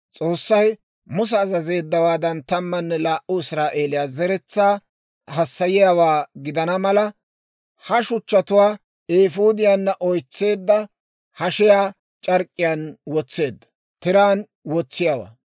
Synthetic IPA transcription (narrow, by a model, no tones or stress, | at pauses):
t͡sʼoːsːɐj | mʊs̬ɛːzɐze̞ːd̪ːɐwaːd̪ɐnt̪ɐmːɐnːɛlaːʔʔʊɪsɾaːʔe̞ːlɪjaːzɛɾɛt͡sːaː | ɦɐsːɐjɪjawaːɡɪd̪ɐnɐmɐlɐ | hɐʃʊt͡ʃːɐt̪ʊwaː | eːfuːd̪ɪjanːɐʔɔjt͡sːe̞ːd̪ːɐ | hɐʃɪjaː | t͡ʃʼɐɾkʼːɪjaːnwɔt͡sːe̞ːd̪ːɐ̥ | t̪ɪɾaːn | wɔt͡sːɪjawa̰ː